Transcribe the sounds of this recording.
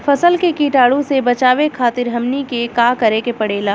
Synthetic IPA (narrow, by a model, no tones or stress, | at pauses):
fɐsəlkekiːʈaːɽũsebɐt͡ʃaːʋekʰaːt̪ɪɾɦɐmnikekaːkɐɾekepɐɽeːlaː